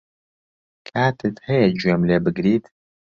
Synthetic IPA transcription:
kʰaːt̪ʰɨt̪hɛjɛd͡ʒuemleːbɨɡɾiːt̪

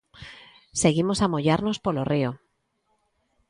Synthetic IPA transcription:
se̞ɣ̞imo̞samoʎaɾno̞spo̞lo̞rio

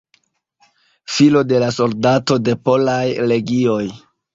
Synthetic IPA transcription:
filo̞de̞laso̞ldato̞de̞po̞lajle̞ɡio̞j

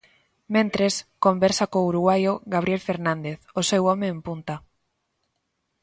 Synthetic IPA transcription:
mẽnt̪ɾeskombɛɾsakouɾuɣwajoɣaβ̞ɾielfeɾnãnd̪eθosewɔmeːmpunt̪a

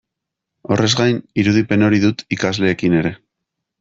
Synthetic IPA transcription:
o̞rʔe̞zɡajniɾuðipe̞no̞ɾiðut̪ikazle̞ːkine̞ɾe̞

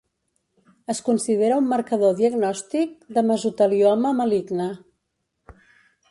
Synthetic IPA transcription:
əskunsiðeɾəumːəɾkəðoðiəɡnɔst̪ik̚d̪əməzut̪əliɔməməliɡnə

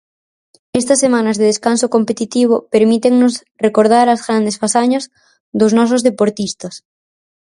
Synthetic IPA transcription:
est̪ɐsːemãnɐzðeð̞eskansokompet̪it̪iβ̞opeɾmit̪eŋnos | rekoɾð̞aɾazɣɾand̪esfasaɲaz | ðoznɔs̬ozðepoɾt̪ist̪ɐs

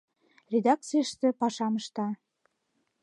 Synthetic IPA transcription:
rʲed̪ɑk̚t͡sijəʃt̪ĕpɑʃɑməʃt̪ɑ

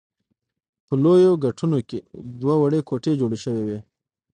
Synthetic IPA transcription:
pəlojoɡaʈʰunoked̪wawaɽekoʈed͡ʒoɽeʃəwewe

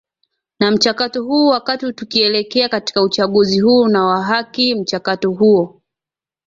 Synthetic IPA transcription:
nam̩t͡ʃakatɔhuːwakatitukiɛlɛkɛakati̥kaut͡ʃaɠuziɦuːnawaɦakim̩t͡ʃakatɔɦuɔ

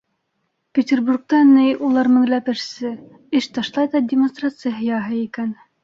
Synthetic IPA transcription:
pʲetʲerburk̚t̪ɑnɘjulˠɑɾmɘ̆ŋlæpɘ̆ʃsɘ | ɘʃt̪ɑʃlˠɑjðɑdʲɪmonst̪rat̪sɨjaɦɤ̆jɑɦɤikæn

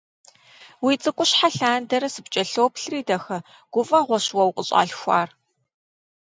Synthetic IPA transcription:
wit͡sʼɨkʷʼʊɕħaɬaːndɐɾɐsɨpt͡ʃʼɐɬoːpɬriːdɐxɐ | ɡ̥ʷʊfʼɐʁʷɔɕwɐwqʼəɕʼa̰ːɬxʷa̰ːr

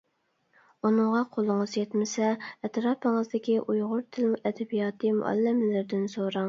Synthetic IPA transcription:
unɨŋʁɑqʰolˠɨŋəzjɛt̪mɪsɛɛt̪ɾɑːpəŋəzd̪ɪkʲiʔujʁʊɾt̪ʰɪlmuʔɛd̪ɛbijɑːt̪ʰɨmṵʔɛ̰lːɪmɪlɪɾd̪ɪnsoɾɑŋ

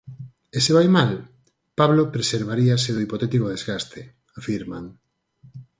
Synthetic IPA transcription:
esɪβajmal | paβlopɾeseɾβ̞aɾiaseðoipot̪ɛt̪ikoðezɣast̪e | afiɾmaŋ

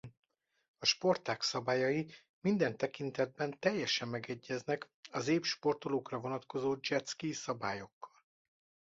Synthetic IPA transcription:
ɒʃpo̞rt̪aːksɒbaːjɒji | mind̪ɛnt̪ɛkint̪ɛd̪̚bɛnt̪ɛjːɛʃɛmːɛɡɛɟːɛznɛk | ɒzeːpʃpo̞rt̪oloːkrɒvo̞nɒt̪ko̞zoːd͡ʒɛt̪skisɒbaːjo̞kːɒ̥l

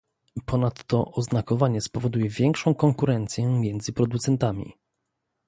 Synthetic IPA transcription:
pɔnat̪ːɔʔɔznakɔvaɲɛspɔvɔd̪ujɛvʲjɛŋkʂɔ̃w̃kɔŋkuɾɛnt̪sʲjɛmʲjɛnd̪zɘpɾɔd̪ut̪sɛnt̪amʲḭ

